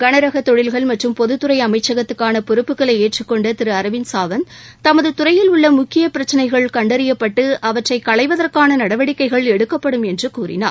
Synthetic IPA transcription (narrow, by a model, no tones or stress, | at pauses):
ɡɐnɐɾɐɣɐt̪ɔɻɪlɣɐɭmɐʈrɯmpɔðɯt̪ːɯɾɐɪɐmɐɪt͡ʃːɐɣɐt̪ːɯkːaːnɐpʊɾɯpːɯkːɐɭɐɪeːʈrɯkːɔɳɖɐt̪ɪɾɯɐɾɐʋɪnsaːʋɐnt̪ɐmɐðɯt̪ʊɾɐjɪlʊɭːɐmʊkːɪjɐpɪɾɐt͡ʃːɐnɐɪɣɐɭkɐɳɖɐɾɪjɐpːɐʈːɯʔɐʋɐʈrɐɪkːɐɭɐɪʋɐðɐrkaːnɐnɐɽɐʋɐɽɪkːɐɪɣɐɭɛɽɯkːɐpːɐɽɯmɛndrɯkuːrɪ̰na̰ːɾ